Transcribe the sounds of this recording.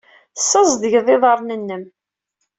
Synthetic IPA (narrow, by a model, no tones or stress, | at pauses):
sːəzˤd̪əʝðˤɪðˤəɾˤnənːəm